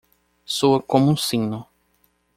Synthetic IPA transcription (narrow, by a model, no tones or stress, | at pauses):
soɐkõmũsĩnʊ